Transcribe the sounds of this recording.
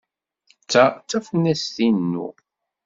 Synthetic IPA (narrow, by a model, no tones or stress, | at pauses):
t͡sːæt͡sːæfənːæsθinːṵ